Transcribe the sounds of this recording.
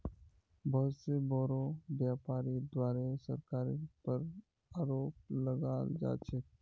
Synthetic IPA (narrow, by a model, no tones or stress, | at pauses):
bɔɦʊt̪sebɔːɾobjaːpaːɾid̪waːɾesə̰ɾkaːɾipəɾ | aːɾoːp̚ləɡaːld͡ʒa̰ːt͡ʃʰe